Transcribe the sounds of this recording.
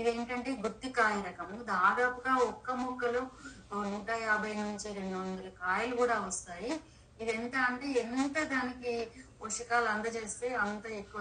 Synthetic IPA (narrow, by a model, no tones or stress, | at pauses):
id̪e̞ːɳʈɐɳʈe̞ːɡuɾt̪ːikaːjɐɾɐkɐmud̪aːd̪aːpuɡaːɔkːɐmɔkːɐlu | nuːʈɐːjaːbʱɐjɐniɲt͡ʃiɾe̞ɳɖuʋɐnd̪ɐlɐkaːjɐlukuːɽaːɔst̪aːji | id̪ent̪aːɐɳʈe̞ːent̪ɐd̪aːnikipoʂukaːlɐnd̪ɐt͡ʃe̞ːst̪e̞ːɐnt̪ɐekːuʋ